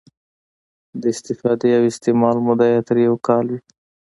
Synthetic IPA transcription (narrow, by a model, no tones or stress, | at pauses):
d̪əɪst̪ɪfɑd̪ejawɪst̪emɑlmʊd̪ajɑt̪əɾjawkɑlwi